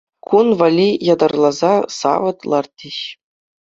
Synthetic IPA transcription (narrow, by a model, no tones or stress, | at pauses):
kunʋɑlʲijɑd̪ɑrlˠɑzɑsɑ̰ʋɤ̆t̪lˠɑrt̪̚ʲːĕɕ